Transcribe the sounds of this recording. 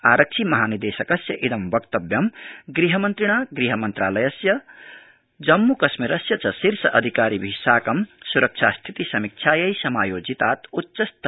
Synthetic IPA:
aːɾɐk̚t͡ʃʰimɐɦaːnid̪eːsɐkɐsjɐʔed̪ɐmbɐkt̪ɐbjɐmɡɾiɦɐmɐnt̪ɾiɽ̃aɡɾiɦɐmɐnt̪ɾaːlɐjɐsjɐ | d͡ʒɐmːukɐsmiɾɐsjɐt͡sʰɐsiɾsɐʔɐd̪ʱikaːɾibʱisaːkɐmsuɾɐk̚t͡ʃʰast̪ʰit̪isɐmik̚t͡ʃʰaːjɐjsɐmaːjoːd͡zit̪aːt̪utːsɐst̪

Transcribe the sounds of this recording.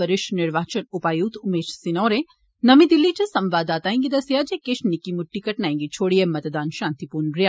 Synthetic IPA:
ɐɾɪʃnɪɾʋaːt͡ʃɐnʊpaːjuːt̪ʊmeːʃsɪnɔːɾe | nɐmid̪ilːit͡ʃʰɐsɐmʋaːd̪aːt̪aːẽŋɡid̪ɐsijaːd͡ʒekeʃnikimʊʈːikɐʈnaːĩŋɡit͡ʃʰoːɽijemɐt̪d̪aːnʃãːnt̪ipuːnɾijaː

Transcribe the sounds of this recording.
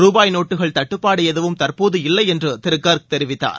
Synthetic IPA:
ɾuːbaːjnoːʈːɯɣɐɭt̪ɐʈːɯpːaːɽɯjɛðɐʋɯmt̪ɐɾpoːðɯɪlːɐɪɛndrɯt̪ɪɾɯkːaːɾkɯt̪ːɛɾɪʋɪt̪ːa̰ːɾ

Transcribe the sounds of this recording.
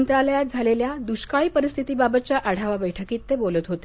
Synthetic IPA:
nt̪ɾaləjat̪̚d͡zʱaleljad̪uɕkaɭipəɾist̪ʰit̪iːbabət̪̚t͡ɕjaʔaɽ̤aʋabəjʈʰəkiːt̪ːebolət̪ɦot̪e

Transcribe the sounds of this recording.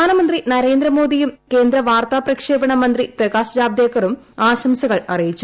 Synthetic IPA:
aːnɐmɐnd̪rinɐɾe̞ːnd̪rɐmo̞ːd̪ijumke̞ːnd̪ɾɐʋaːrt̪aːprɐkʂeːbɐɳɐmɐnd̪riprɐɡaːsɐd͡ʑaːbd̪jekːɐrum | aːɕɐmsɐɣɐɭɐrijit͡ɕːu

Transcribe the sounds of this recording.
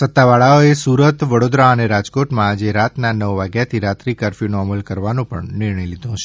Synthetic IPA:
sət̪ːaʋaɭaoesuɾət̪ʋəɽod̪ɾaəneɾad͡ʒkoʈmãːd͡ʒeɾat̪nanəʋʋaɡjat̪ʰiɾat̪ɾikaɾfinoəməlkəɾʋanũpə̰ɳnɪɾɳəjlid̪ʱũt͡ʃʰe

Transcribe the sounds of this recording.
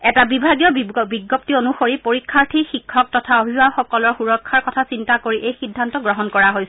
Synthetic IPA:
ɛtabibʱaɡijɔbiɡop̚tionuxoɹipoɹikʰːaɹtʰixikʰːɔk̚tɔtʰaobʱiaxɔkɔlɔɹxuɹɔkʰːaɹkɔtʰasintakoɹiʔejxidʱːantɔɡɹɔɦɔnkɔɹaɦojsɛ

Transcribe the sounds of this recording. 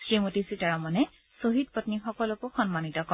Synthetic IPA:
sɹimutisitaɹɔmɔnɛ | soɦit̚pɔtnixɔkɔlɔkʊxɔnmanitɔkɔ

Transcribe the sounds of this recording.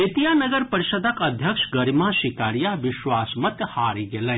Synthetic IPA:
ɪt̪ijaːnɐɡəɾpɐɾɪʃəd̪ʱəkɐd̪ʱjɐkʃɡɐɾimaʃɪkaːɾijaʋɪʃwaːsmɐt̪haːɾiɡelə

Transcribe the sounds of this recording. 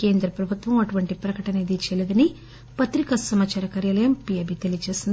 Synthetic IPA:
keːnd̪ɾɐpɾɐbʱut̪ʋɐmɐʈuʋɐɳʈipɾɐkɐʈɐnɐed̪it͡ʃelud̪ɐni | pɐt̪ɾikɐsɐmaːt͡ʃaːɾɐkaːɾjaːlɐjɐmpijɐbit̪elijɐt͡ʃe̞ːsind̪i

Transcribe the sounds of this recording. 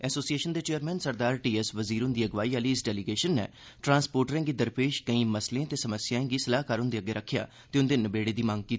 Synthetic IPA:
ɛːsoːsieːʃənd̪eːt͡ʃeːəɾmɛ̃ːnsəɾd̪aːɾʈiːɛsʋəziːɾʊnd̪iːəɡʋaːiːaliːɪsɖɛːliɡeːʃənːɛ̰ː | ʈɾãːnspoːɾʈəɾɛ̃ːɡiːd̪əɾpeːʃkəĩːməsleãːt̪eːsəməsjaːẽːɡiːsəlaːɦkəɾʊnd̪eːəɡːeːɾəkʰːja̰ː | t̪eːʊnd̪eːnəbeːɽeːd̪iːmãŋɡ̚kiːt̪ː

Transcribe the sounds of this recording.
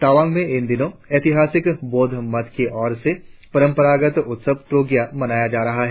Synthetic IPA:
t̪aːʋãːŋɡmẽɪnd̪ɪnõeːt̪ɪɦaːsɪkboːd̪ʱmɐt̪keʔɔːɾsepɐɾə̃mpəɾaːɡət̪ʊt̪səb̚pɾoːɡjamɐnaːjad͡ʒaːɾɐɦaɦɛː

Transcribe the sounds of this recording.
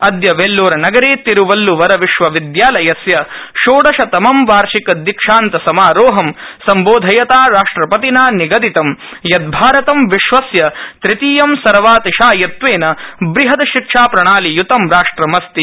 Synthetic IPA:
ɐd̪jɐʋelːoːɾɐnɐɡɐɾeːt̪iɾuʋɐlːuʋɐɾɐʋiʃʋɐʋid̪jaːlɐjɐsjɐʃoːɽɐʃɐt̪ɐmɐmʋaːɾʃikɐd̪ikʂaːnt̪ɐsɐmaːɾoːɦɐmsɐmboːd̪ʱɐjɐt̪aːɾaːʂʈɾɐpɐt̪inaːniɡɐd̪it̪ɐmjɐd̪̚bʱaːɾɐt̪ɐmʋiʃʋɐsjɐt̪ɾit̪iːjɐmsɐɾʋaːt̪iʃaːjɐt̪ʋeːnɐbɾiɦɐd̪ɐʃikʂaːpɾɐɳaːlijut̪ɐmɾaːʂʈɾɐmɐst̪i

